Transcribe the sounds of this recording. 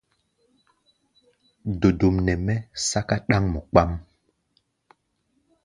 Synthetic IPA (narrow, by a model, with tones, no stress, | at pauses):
do˨du˨mnɛ˨mɛ˦sa˦ka˦ɗa˦ŋmɔ˨k͡pa˦m